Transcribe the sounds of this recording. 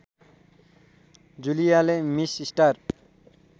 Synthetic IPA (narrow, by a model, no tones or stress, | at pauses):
d͡ʑulijalemisisʈaɾ